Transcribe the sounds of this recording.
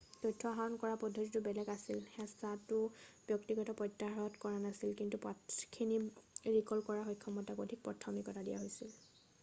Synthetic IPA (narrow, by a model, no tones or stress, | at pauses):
tɔjtʰːɔɦaɔnkɔɹapɔdʱːotitʊbɛlɛkasilxɛsatʊb̥jɔktiɡɔtɔpɹɔtːaɹɔtkɔɹanasilkintupɔkʰiniɹikɔlkɔɹaxɔjkʰːɔmɔtakodʱik̚pɹɔtʰɔmikɔtadija̰ɦojsil